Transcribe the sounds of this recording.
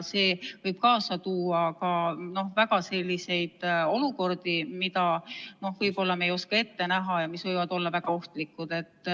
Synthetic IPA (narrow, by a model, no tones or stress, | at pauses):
se̞ːvɤjb̥̚kɑːsɑt̪uːɑkɑno̞hvæɡɑse̞lʲːise̞jd̪̥o̞luko̞rd̪̥imid̪ɑno̞hvɯjbo̞lːɑmejo̞skɑe̞t̪ːe̞næɦɑjɑmisvɤjvɑd̪o̞lːɑvæɡ̥ɑo̞ht̪likːˑud̪̥e̞t̪ːˑ